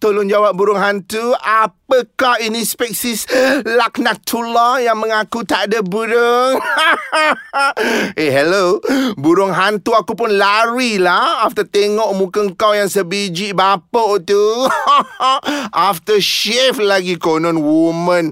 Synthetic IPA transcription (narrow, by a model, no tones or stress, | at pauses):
t̪olʊnd͡ʒawap̚buɾʊŋɦant̪uapəkahinispɛk̚sislak̚nak̚t̪ʰulajaŋmə̃ŋakut̪aʔdabuɾʊŋ | eɦɛlobuɾʊŋɦant̪uakupʊnlaɾilahaft̪ət̪eŋɔʔmũkəŋkawjaŋsəbid͡ʒiʔbapəʔt̪u | ʔaft̪əʃɛflaɡikonɔnwumə̃n